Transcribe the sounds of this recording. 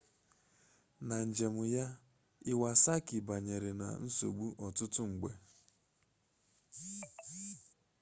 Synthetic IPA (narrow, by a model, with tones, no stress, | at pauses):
na˨n̩˨d͡ʒe˨mʊ˨ja˦ | ɪ˦wa˨sa˦kɪ˨ba˨ɲe˨ɾe˨na̰˨n̩˦so̰˨ɡ͡bu˦ʔɔ˨tʊ˦tʊ˦ŋ͡m̩˨ɡ͡be˨